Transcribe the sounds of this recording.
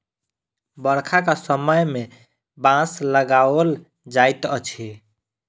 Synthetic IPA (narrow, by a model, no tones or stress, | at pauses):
bəɾkʰakasəməjme | bãsləɡal | d͡ʒajt̪ət͡ʃʰi